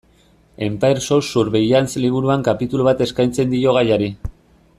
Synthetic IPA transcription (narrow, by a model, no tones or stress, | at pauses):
e̞mpajɾsosuɾβe̞jansliβ̞uɾuaŋkapit̪uluβ̞at̪e̞skajnt͡se̞nd̪io̞ɣ̞ajaɾi